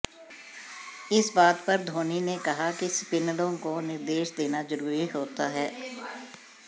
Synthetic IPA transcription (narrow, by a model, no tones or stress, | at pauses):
ɪsbaːt̪pɐɾd̪ʱoːninekɐɦakispɪnəlõkonɪɾd̪eːʃd̪eːnazəɾuːɾiɦoːt̪aɦɛː